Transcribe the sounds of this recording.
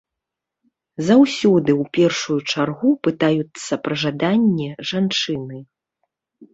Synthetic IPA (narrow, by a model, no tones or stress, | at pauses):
zawsʲɔd̪ɨwpʲɛrʂujut͡ʂarɣupɨt̪ajut̪sːɐpɾɐʐad̪anʲːɛʐant͡ʂɨnɨ